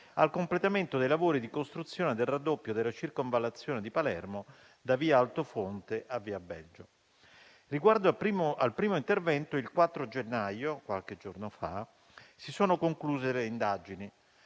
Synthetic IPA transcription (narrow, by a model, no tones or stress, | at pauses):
alkomplet̪ament̪od̪ejlavoːɾid̪ikost̪ɾut̪sːjoːned̪elrad̪ːopːjod̪elːat͡ʃirkoɱvalːat̪sːjoːned̪ipalɛ̰rmo | d̪aviːaalt̪ofont̪eʔavːiːabːɛld͡ʒo | riɡward̪oapɾimalpɾiːmoint̪ervɛnt̪oilkwat̪ːɾod͡ʒenːajokwalked͡ʒornofa̰ | sisoːnokoŋkluːzeleind̪ad͡ʒini